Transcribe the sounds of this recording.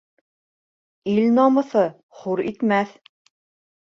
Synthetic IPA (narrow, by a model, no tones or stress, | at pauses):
ilnɑmɤ̆θɤ | χuɾḭt̪mæθ